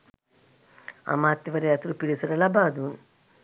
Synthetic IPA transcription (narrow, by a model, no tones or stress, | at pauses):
ɐ̰maːt̪ːiʋɐɾejɐt̪ɾupiɽisɐɾɐlɐbaːd̪uːn